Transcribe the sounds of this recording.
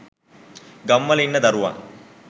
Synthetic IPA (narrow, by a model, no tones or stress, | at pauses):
ɡɐmːɐlinːɐd̪ɐɾuʋa̰ːn